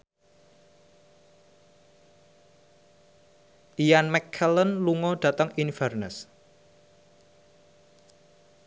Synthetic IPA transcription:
ʔijanmɛkʰːɛlənluŋɔɖ̥ä̤t̪əŋinfɛrnəs

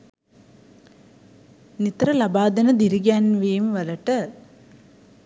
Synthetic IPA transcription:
nit̪ɾəlabaːd̪ənəd̪iɾiɡjanʋeːmʋɐləʈə

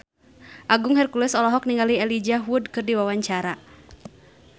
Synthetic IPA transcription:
ʔaɡʊŋhɛrkulɛsɔlɔɦɔk̚niŋɡaliɛlid͡ʒaɦwudkɨrdiwawaɲt͡ʃaɾa

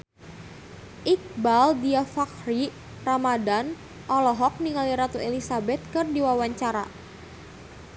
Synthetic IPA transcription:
ʔik̚baldiafakri | ramadan | ʔɔlɔɦɔk̚niŋaliɾat̪uelisabɛt̪̚kɨrdiwawaɲt͡ʃaɾa̰

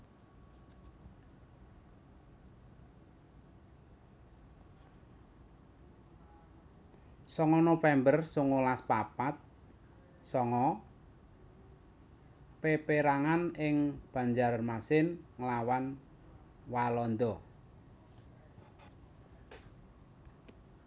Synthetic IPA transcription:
sɔŋɔnofɛmbərsuŋulaspapat̪̚ | sɔŋɔ | pepeɾaŋanɪŋb̥a̤ɲd͡ʒarmasɪnŋəlawan | walɔnd̪ɔ

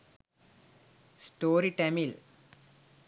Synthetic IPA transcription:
sʈoːɾiʈemil

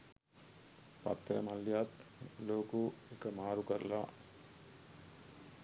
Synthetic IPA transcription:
pɐ̰t̪ːɐɾɐmɐlːjaːt̪loːkuekɐmaːɾukɐɾɐla

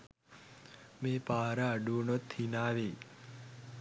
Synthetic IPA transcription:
meːpaːɾəːɖuːnot̪hinaːʋe

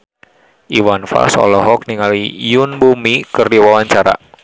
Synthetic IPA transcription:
ʔiwanfa̰lsɔ̰lɔɦɔk̚niŋalijunbumikərdiwawaɲt͡ʃaɾa̰

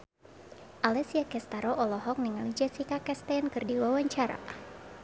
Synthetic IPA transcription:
ʔalɛsiakɛst̪aɾɔʔɔlɔɦɔk̚niŋalid͡ʒasikakɛst̪ɛnkɨrdiwawaɲt͡ʃaɾa̰

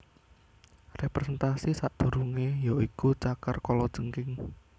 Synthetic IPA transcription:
repɾesɛnt̪asisaʔd̪̥o̤ɾuŋejɔikut͡ʃakərkɔlɔd̥ʒ̥əŋkɪŋ

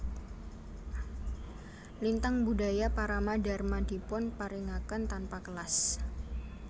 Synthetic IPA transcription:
lint̪aŋbudajapaɾamadarmadipɔnpaɾiŋakənt̪anpakəlas

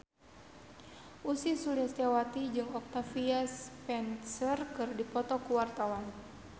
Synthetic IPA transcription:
ʔusisuliast̪jawat̪id͡ʒɨŋɔk̚t̪afiaspɛnsərkɨrdipɔt̪ɔkuwart̪awan

